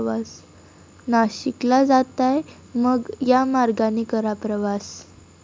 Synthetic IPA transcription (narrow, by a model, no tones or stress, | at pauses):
ʋas | naɕiklad͡zat̪aj | məɡjamaɾɡanikəɾapɾəʋas